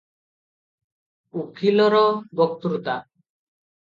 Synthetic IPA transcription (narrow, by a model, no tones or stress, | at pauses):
ukʰilɔɾɔbɔk̚t̪ɾut̪a